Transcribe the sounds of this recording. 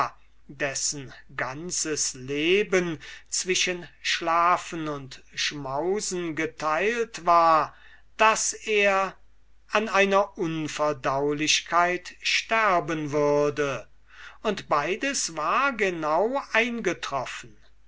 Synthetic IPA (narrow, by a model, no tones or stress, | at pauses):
dɛsn̩ɡant͡səsleːbənt͡sv̥ɪʃənʃlaːfənʊntʃmaʊzn̩ɡətʰaɪltv̥aːɐ | d̥aseːɐ | ʔanaɪnɐʔʊnfɛɐdaʊlɪɕkʰaɪtʃtæɐbənvʏɐdə | ʊntb̥aɪdəsvaːɐɡənaʊʔaɪnɡətʁ̥ɔfən̩